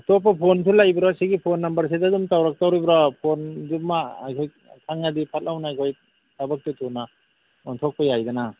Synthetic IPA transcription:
top̬ːapʰontʰulajbɾɔsiɡipʰonːɐmbɐɾs̬edadumtawɾak̚tawɾibɾapʰondumːaajkʰoj | kʰaŋnadipʰat̚lawnaajkʰoj | tabak̚tutuna | ɔntʰɔk̚pɐjajdana

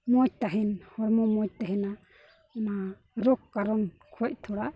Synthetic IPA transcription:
mɔc̚t̪aɦɛnhɔɾmɔmɔc̚t̪aɦɛna | ɔna | ɾɔkːaɾɔn | kʰɔc̚ˀt̪ʰɔɽa

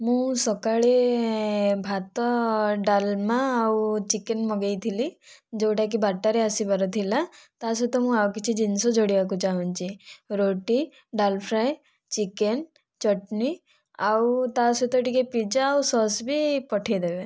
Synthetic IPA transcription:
mũsɔkaɭe | bʱat̪ɔɖalmãːwt͡ʃikenmɔɡejt̪ʰilid͡ʒoʈak̬ibaʈːaɾeəsibaɾɔt̪ʰilat̪as̬ut̪ɔmũawkit͡ʃʰid͡ʒinsod͡ʒoɽiʋakut͡ʃaɦũnt͡ʃiɾoʈi | ɖalpʰɾaj | t͡ʃiken | t͡ʃɔʈni | awt̪asut̪ɔʈikepid͡ʒaːwsɔsbʱipɔʈʰed̪ebe

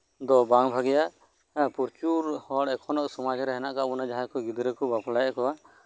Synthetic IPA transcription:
d̪ɔbaŋbʱaɡɛjaʔ | puɾt͡ʃuɾhɔɽɛkʰɔnɔʔsɔmad͡ʒɾɛɦɛnaʔkaʔbunad͡ʒaɦakɔɡid̪ɾɛkɔbaplajaʔkɔwaʔ

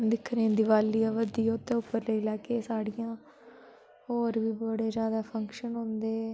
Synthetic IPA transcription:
d̪ɪkʰːɾẽːd̪ɪʋaːliːaːʋəd̪ijaʊt̪ẽːʊpːəɾləiːlɛːkeːsaːɽɪjãː | hoːɾʋiːbəɽeːzjaːd̪aːpʰəŋkʃənɦõːnd̪eː

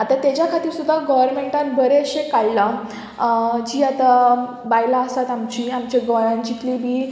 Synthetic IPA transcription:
at̪at̪jat͡ɕjakʰat̪iːɾsud̪ʱːaɡɔʋəɾmeɳʈãnbəɾeɕekaɭla | d͡ʑiːat̪a | bajlaəsat̪amt͡ɕiːamt͡ɕaɡɔjãnt͡ɕit̪libʱiː

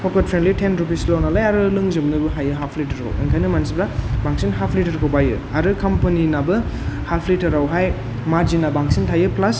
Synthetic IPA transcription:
pʰɔkɐt̚pʰɾenlitʰenɾup̬islonalajaɾɯlɯŋzɯmnɯbɯɦajɯɦapʰlitɐɾkʰa̰wḭŋkʰajnɯmansipɾabaŋsinɦapʰlitɐɾkʰawbajɯ | aɾɯkɐmpɐninabɯhapʰlitɐɾawɦaj | mazinabaŋsintʰajɯplɐs

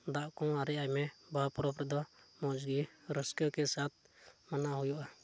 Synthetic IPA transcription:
d̪aʔkɔ̃aɾɛajmɛbapɾɔpɾɛd̪ɔmɔd͡ʒɡiɾəskɔkɛsat̪̚ | manaɦujuʔa

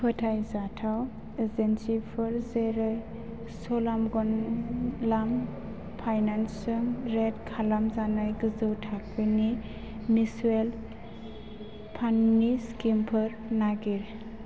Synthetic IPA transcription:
pʰɯtʰajzatʰaw | ezensipʰɯɾzeɾɯ | sɔlamɡɔn | lam | pʰajnansɯŋɾedkʰalamzanajɡɯzɯwtʰakʰɯni | misuel | pʰanːiskimpʰɯɾnaɡiɾ

